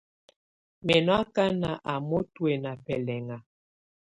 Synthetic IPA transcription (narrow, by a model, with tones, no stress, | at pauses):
mɛ˨nɔ˦a˦ka˦na˨ʔa˨mo˦twe˨na˨pɛ˨lɛ˨ŋa˨